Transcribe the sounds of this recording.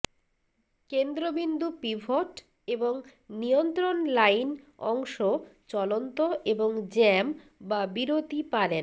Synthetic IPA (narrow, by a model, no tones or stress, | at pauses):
kend̪ɾobind̪upibʱoʈ | eboŋnijont̪ɾonlajnɔŋʃot͡ɕɔlont̪oeboŋd͡ʑɛm | babiɾot̪ipaɾen